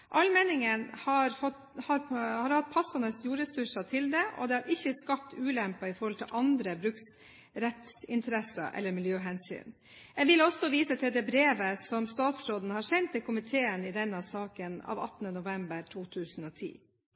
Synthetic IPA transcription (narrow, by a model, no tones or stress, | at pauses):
ʔɑlmɛnɪŋənhɑɾfɔ | hɑɾhɑɾhɑt̪̚pʰɑsɑnəsjuːɾɛsʉʂɑt̪ʰɪld̪ɛʔɔ̰d̪ɛhɑɾʔɪçːəskɑp̚t̪ʉːlɛmpɑɪfɔɾhɔlt̪ʰɪlʔɑnd̪ɾəbɾʉks | ɾɛt̪sɪnt̪ʰəɾɛsɑ̰ʔɛ̰lːəɾmɪljøːɦɛnsy̰ːn | ɛɡʋɪlɔsɔʋiːsət̪ʰɪld̪ɛːbɾeːʋəsɔmst̪ɑːt̪sɾoːd̪n̩hɑɾsɛnt̪d̪ɪlkʰʊmɪt̪ʰeːənɪd̪ɛnːɑsɑːkənɑ̰ːʋɑ̰t̪ːn̩ənʊʋɛmbəɾʈʰuːt̪ʰʉːsn̩ɔːt̪ʰḭː